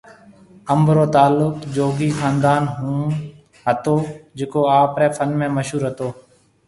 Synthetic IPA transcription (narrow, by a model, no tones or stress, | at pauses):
əmbɾoːt̪aːlːʊkd͡ʒoːɡiːxaːnd̪aːnɦũː | ɦət̪oːd͡ʒeːkoːaːpɾɛːfʰənmẽːməʃɦuːɾɦət̪oː